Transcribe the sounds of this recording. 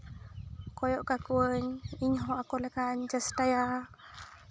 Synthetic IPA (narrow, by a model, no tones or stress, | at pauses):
kɔjɔʔkakuəɲiɲɦɔʔakɔlɛkaɲd͡ʒasʈaja